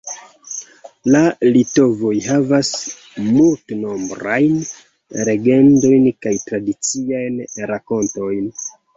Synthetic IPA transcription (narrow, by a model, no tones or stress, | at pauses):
lalito̞vo̞jɦavas | multno̞mbɾajn | ɾe̞ɡe̞ndo̞jnkajtɾadit͡siajnɾako̞nto̞jn